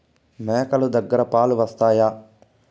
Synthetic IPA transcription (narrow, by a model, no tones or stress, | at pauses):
mɛːkɐlud̪ɐɡːɐɾɐpaːluʋɐst̪aːjaː